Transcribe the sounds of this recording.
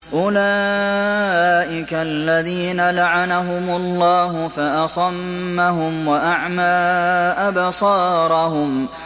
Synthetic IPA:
ʔʊla | ʔɪkalːaðiːnalaʕanaɦʊmʊlˤːɑːɦʊfaʔɑsˤɑmːaɦʊmwaʔaʕmaːʔabsˤɑːɾˤɑhʊm

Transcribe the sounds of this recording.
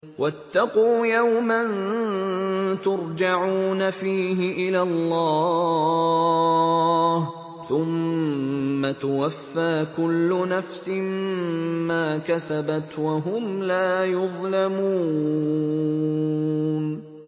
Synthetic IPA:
wʔat̪ːɑquːjawman | t̪ʊɾd͡ʒaʕuːnafiːɦɪʔɪlalˤːɑː | h | θʊmː | at̪awafːaːkʊlːʊnafsɪmː | aːkasabat̪waɦʊmlaːjʊðˤlamuː | n

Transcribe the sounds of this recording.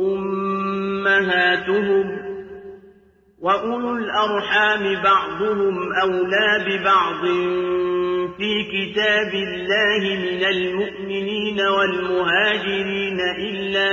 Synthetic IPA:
ʔʊmː | aɦaːt̪ʊhʊm | waʔʊlʊlʔɑɾˤħaːmɪbɑʕd̪ˤʊhʊmʔawlaːbɪbɑʕd̪ˤɨn | fiːkɪt̪aːbɪlːaːhɪmɪnalmʊʔmɪniːnawalmʊɦaːd͡ʒɪɾiːnaʔɪlːaː

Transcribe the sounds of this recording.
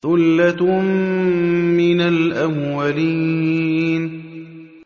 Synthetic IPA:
ʊlːat̪m | mɪnalʔamwaliːn

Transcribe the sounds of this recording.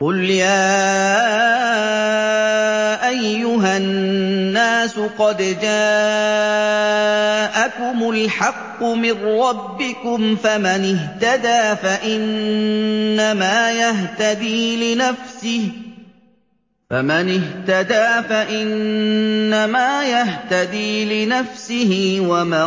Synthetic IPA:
qʊljaː | ʔajːʊɦaː | aːsʊqɑd̪d͡ʒaː | ʔakʊmʊlħɑqːʊmɪnːɑbːɪkʊmfamanɪht̪ad̪aːfaʔɪnː | amaːjaɦt̪ad̪iːlɪnafsɪh | fa̰manɪɦt̪ad̪aːfaʔɪnː | amaːjaɦt̪ad̪iːlɪnafsɪhɪwamaː

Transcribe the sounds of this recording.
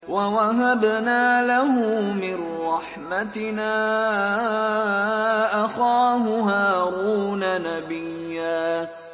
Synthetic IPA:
wawaɦabnaːlaɦʊmɪnɾˤɑħmat̪ɪnaː | ʔaxaːɦʊɦaːɾuːnanabɪjːaː

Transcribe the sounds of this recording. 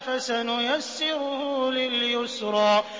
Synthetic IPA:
fasanʊjasːɪɾʊhʊlɪljʊsɾˤɑː

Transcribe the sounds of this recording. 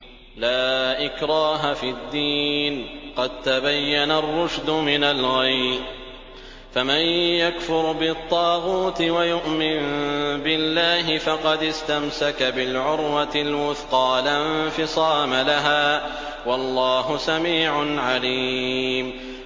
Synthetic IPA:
laːʔɪkɾˤɑːɦafid̪ːiːnqɑd̪̚t̪abajːanarˤːʊʃd̪ʊmɪnalɣaj | famanjakfʊɾbɪt̪ˤːɑːɣuːt̪ɪwajʊʔmɪnbɪlːaːɦɪfɑqɑd̪ɪst̪amsakabɪlʕʊɾwat̪ɪlwʊθqɑːlanfɪsˤɑːmalaɦaː | wɑlˤːɑːɦʊsamiːʕʊnʕalim

